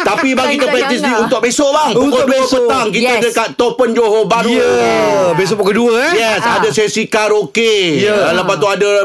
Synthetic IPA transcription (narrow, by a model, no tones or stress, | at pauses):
t̪apibaɡit̪əpɾɛk̚t̪is̬diunt̪ʊk̚besolaŋpukoduəpət̪aŋk̬it̪ədəkat̪ːopənd͡ʒoɦobanəbesopukəduəjɛsadəsesikaɾokealəpat̪uadə